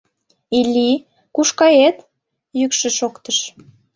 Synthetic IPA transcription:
ilʲi | kuʃkɑjet̪ | jykʃĕʃokt̪əʃ

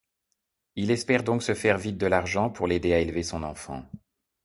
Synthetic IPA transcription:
ilɛspɛʁd̪ɔ̃ksəfɛʁvit̪̚d̪əlaʁʒɑ̃puʁled̪eaelvesɔ̃nɑ̃fɑ̰̃

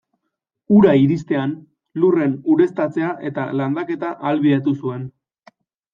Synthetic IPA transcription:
uɾaiɾist̪e̞an | lure̞nuɾe̞st̪at͡se̞aʔe̞t̪aland̪ake̞t̪aʔalβiðat̪usue̞n

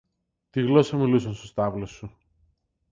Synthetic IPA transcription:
t̪iɣlo̞sɐmilusɐnst̪ost̪ɐvlo̞sːu

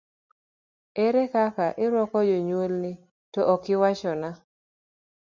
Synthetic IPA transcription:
ɛɾɛkakaʔɪɾɔkɔd͡ʒoɲwolnɪ | tɔʔːkɪwat͡ʃɔna

